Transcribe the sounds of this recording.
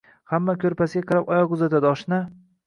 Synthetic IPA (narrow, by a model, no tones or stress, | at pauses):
hamːakʲʰɵɾpʰasɪɡʲaqʰɨɾapɒjɒqʊzat̪ad̪ɪɒʃna